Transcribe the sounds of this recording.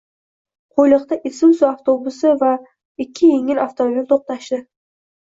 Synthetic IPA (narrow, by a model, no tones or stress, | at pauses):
qʰojlˠɨq̚t̪aʔɪsɪmsʊaft̪ʰobʊsɪva | ɪkʲʰːɪjeŋɪlaft̪ʰomobʲilt̪ʰoq̚t̪aʃd̪ɪ